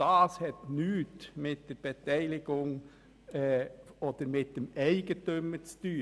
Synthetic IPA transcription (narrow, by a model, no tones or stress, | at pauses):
ɑːshɛt̪nyːt̪mɪt̪d̥ɛɾb̥ɛt̪ʰæɪlɪɡʊŋ | ɛoːd̪̥əɾmɪt̚d̥̪ɛmæɪɡ̥ət̪øməst̪yː